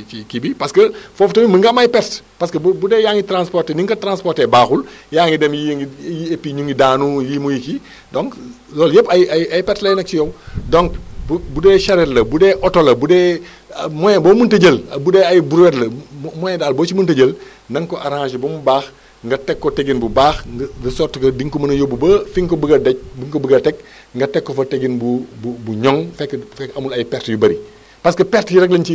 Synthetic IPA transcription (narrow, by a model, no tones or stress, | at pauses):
ikibipɐskɐfoːftɐmiməŋɡɐmajpɛtpaskɐbbudɛːjaŋitɾanspɔrteniŋkɐtɾanspɔrtɛbaːxuljaːŋidɛmjiŋijiepːiɲuŋɡidaːnujiːmujiki | dɔŋk | lɔːljəpɐjaɐjpɛtlɐjinɐk̚t͡ʃijowdɔŋkbbudɛːʃɐɾɛtlɐbudɛʔɔtolɐbudɛː | mɔjɛboːmuntəɟəlbudɛɐjbuɾwɛtlɐmɔjɛdaːlboːt͡ʃimuntɐɟəl | nɐŋkoʔaɾhaʃibɐmubaːx | ŋɡɐtɛkːɔteɡinbubaːxɡɡɐsɔrtkɐdiŋkomɐnɐjobubɐfiŋkobəɡɐdɐc̚biŋkobuɡɐtɛk̚ | ŋɡɐtɛkːofɐteɡinbububuɲɔŋfɛkːfɛkɐmulɐjpɛɾtjubɐɾi | pɐskɐpɛɾtjuɾɛk̬lɐnt͡ʃi